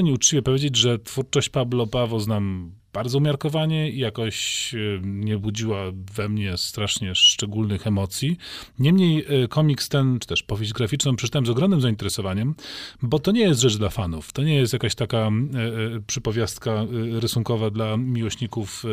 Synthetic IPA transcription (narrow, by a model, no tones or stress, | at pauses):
ɲiut͡ʂt͡ɕivʲjɛpɔvʲjed͡ʑed͡ʑʐɛt̪fuɾt͡ʂɔɕt͡ɕpablɔpavɔznam | b̥aɾd̪zɔumʲjaɾkɔvaɲɛijakɔɕ | ɲɛbud͡ʑiwavɛmɲɛst̪ɾaʂɲɛʂt͡ʂɛɡulnɘxɛmɔt̪sʲjiɲɛmɲejkʰɔmʲikst̪ɛnt͡ʂɘ̥t̪ɛʂpɔvʲjeʑd͡ʑɡɾafʲit͡ʂnɔ̃pʂɛ̥t͡ʂt̪awɛmzɔɡɾɔmnɘmzaint̪ɛɾɛsɔvaɲɛmbɔt̪ɔɲɛjɛst̪ʐɛt͡ʂd̪lafanuft̪ɔɲɛjɛst̪jakaɕt̪aka | pʂɘpɔvʲjast̪kaɾɘsuŋkɔvad̪lamʲiwɔɕɲikuf